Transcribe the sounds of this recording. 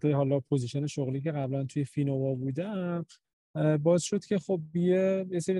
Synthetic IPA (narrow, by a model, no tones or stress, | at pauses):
eɦɒːlɒpʰoziʃene̞ʃoɣliːce̞ɣæblænt̪ʰuje̞finovɒːbuːd̪æm | bɒːesʃo̞d̪̥cʰʲe̞χob̚ːijejese̞ɾi